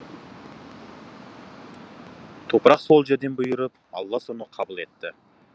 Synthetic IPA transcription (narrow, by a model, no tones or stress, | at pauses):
t̪ʰo̞pəɾɑqso̞lˠʒeɾd̪e̞nbʊjəɾəp̚ | ɑ̰lˠːɑso̞nəqʰɑbəlˠe̞t̪ːɪ